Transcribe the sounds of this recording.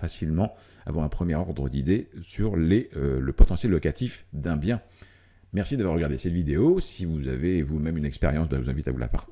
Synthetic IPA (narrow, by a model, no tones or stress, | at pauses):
fasilmɑ̃ | a̰vwaʁɛ̃pχəmjɛʁɔʁd̪ʁəd̪id̪esyʁleøləpɔt̪ɑ̃sjɛlːɔkat̪ifd̪ɛ̃bjɛ̃ | mɛʁsid̪avwaʁːəɡaʁd̪esɛt̪vid̪eosivuza̰veːvumɛmynɛkspeʁjɑ̃sbavuzɛ̃vit̪a̰vṵla̰pa̰ʁt̪